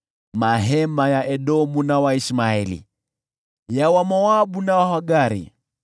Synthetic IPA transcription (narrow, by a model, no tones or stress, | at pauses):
maɦɛmajaʔɛɗɔmunawaismaɛlḭ | jawamɔaɓunawahaɡaɾḭ